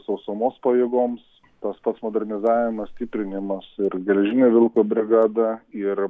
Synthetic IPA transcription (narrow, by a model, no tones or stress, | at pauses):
sɐʊsoːmoːspɐjeːɡoːms | t̪ɐspɐt̪smoːd̪ʲɛɾʲnʲɪzɑːʋʲɪmɐssʲt̪ʲɪpʲɾʲɪnʲɪmɐsɪɾɡʲɛlʲɛʒʲɪnʲeːʋʲɪlˠkoːbʲɾʲɪɡɑːd̪ɐɪɾ